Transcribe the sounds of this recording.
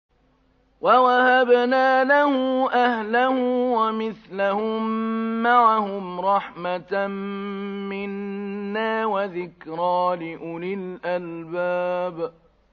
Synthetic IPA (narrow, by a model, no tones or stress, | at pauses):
wawahabnaːlahʊʔahlahʊwamɪθlahʊmːaʕahʊmɾˤɑħmat̪mmɪnːaːwaðɪkɾɑːlɪʔʊlɪlʔalbaːb